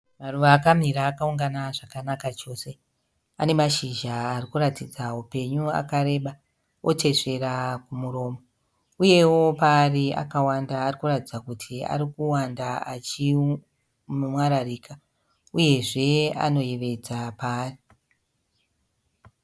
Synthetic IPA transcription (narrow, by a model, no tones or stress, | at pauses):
maruʋaːkam̤iɾaːkauŋɡanaʐakanakat͡ʃo̞ːse̞ | a̰ne̞maʃiʒaːrikuratid͡zaupe̞ɲua̰kaɾe̞ːɓa | ʔo̞̰tʰe̞ʂe̞rakumuɾo̞ːmo | uje̞wo̞paːria̰kawandaːrikuratid͡zakutʰia̰ɾikuwandaat͡ʃi | mwaɾariːkʰa | uje̞ʐe̞a̰no̞jeʋe̞d͡zapaːri